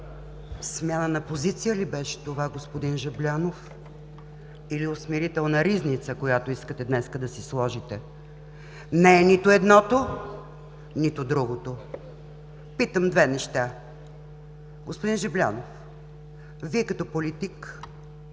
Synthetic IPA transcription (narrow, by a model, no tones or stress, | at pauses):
smʲjanənɐpozit̪sijəlibɛʃɛ̥t̪ovaɡospod̪inʒɛblʲanof | iliosmiɾit̪ɛlˠnɐɾiznit̪səkojat̪oiskət̪ɛd̪nɛskəd̪ɐsislˠɔʒit̪ɛ | nɛːnit̪ʊɛd̪nɔt̪o | nit̪ʊd̪ɾuɡot̪o | pit̪əmd̪vɛnɛʃt̪a | ɡospʊd̪inʒɛblʲa̰nof | viɛkɐt̪ɔpolit̪ik